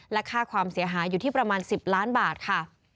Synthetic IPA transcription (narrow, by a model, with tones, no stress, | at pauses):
lɛ˦˥kʰaː˥˩kʰwaː˧msi˩˦ɐɦaː˩˦juː˨˩iː˥˩pɾa˧maː˧nsi˨˩p̚laː˦˥nbaː˨˩t̪̚kʰa˥˩